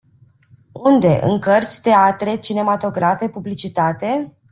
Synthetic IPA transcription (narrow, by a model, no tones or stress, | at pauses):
und̪e̞ʔɨ̰ŋkərt̪sʲt̪e̞at̪ɾe̞t͡ʃine̞mat̪o̞ɡɾafe̞publit͡ʃit̪at̪e̞